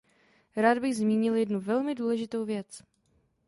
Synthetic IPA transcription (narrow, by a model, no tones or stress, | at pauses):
ɾaːd̪bɪɣzmiːɲɪljɛdnuvɛlmɪduːlɛʒɪt̪owvjɛt͡s